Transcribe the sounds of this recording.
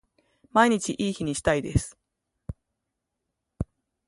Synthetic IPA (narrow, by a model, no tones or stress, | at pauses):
maiɲ̟it͡ɕiʔiːçiɲ̟iɕi̥t̪aid̪e̞sɨ̥